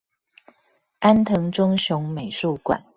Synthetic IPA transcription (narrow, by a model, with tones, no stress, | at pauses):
ʔa˦˥nt̪ʰɤ˧˥ŋʈ͡ʂʊ˥ŋɕjʊ˧˦ŋme˨˩ɪʂu˥˩kwa̰˨˩˦n